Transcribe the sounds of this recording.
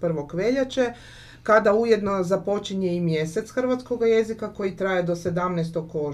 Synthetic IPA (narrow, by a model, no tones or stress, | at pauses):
pr̩ʋo̞kʋe̞ʎat͡ʃe | kad̪auje̞d̪no̞zapo̞t͡ʃiɲeimje̞se̞t̪sxərʋat̪sko̞ɡaje̞zikako̞jit̪ɾajed̪ose̞d̪amnɛst̪oko